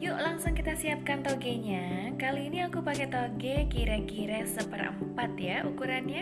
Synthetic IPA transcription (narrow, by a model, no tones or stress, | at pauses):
jʊʔlaŋsʊŋkit̪asiap̚kant̪oɡɛɲakaliːniakupakɛt̪oɡɛkiɾɛkiɾɛsəpərə̰mpat̪jaʔukuɾanɲa